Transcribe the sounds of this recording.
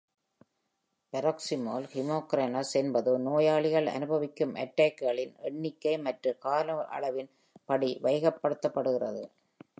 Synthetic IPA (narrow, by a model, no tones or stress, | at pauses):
pɐɾɐksɪmoːlhɪmoːkɾɐːnɐsɛnbɐðɯnoːjaːɭɪɣɐɭɐ̰nɯbɐʋɪkːɯmʔɐ̰ʈːaːkːɯɣɐɭɪnʔɛɳːɪkːɐɪmɐʈrɯkaːlɐʔɐ̰ɭɐʋɪn | pɐɽiʋɐjɐɣɐpːɐɽɯt̪ːɐpːɐɽɯɣɪrɐðɯ